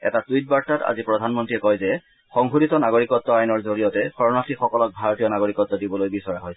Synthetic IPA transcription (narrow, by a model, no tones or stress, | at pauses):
ɛ̰tatuit̚baɹtata̰zipɹɔdʱanmɔntɹiɛkɔjzɛ | xɔŋɦuditɔnaɡoɹikɔtːɔajnɔɹzoɹijɔtɛxɔɹɔnatʰixɔkɔlɔk̚bʱaɹotijɔnaɡoɹikɔtːɔdibɔlojbisɔɹaɦojs